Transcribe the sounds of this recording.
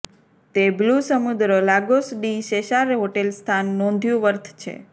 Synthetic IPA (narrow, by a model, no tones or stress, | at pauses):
t̪eblusəmud̪ɾəlaɡosɖiʃeʃaɾɦoʈelst̪ʰanːɔ̃nd̪ʱjũʋəɾt̪ʰt͡ʃʰḛ